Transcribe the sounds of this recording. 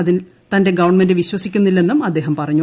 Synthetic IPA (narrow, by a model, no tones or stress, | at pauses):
ɐðin | t̪ɐnde̞ɡɐʋɐrɳme̞ndɨʋiɕwɐsikʲːunːilːe̞nːumɐd̪ːe̞ːɦɐmpɐrɐɲːu